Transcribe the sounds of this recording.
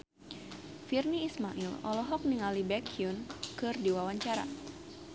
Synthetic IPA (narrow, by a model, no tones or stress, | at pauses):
firniːsmaʔilɔ̰lɔɦɔk̚niŋalibɛkʰiunkɨrdiwawaɲt͡ʃaɾa̰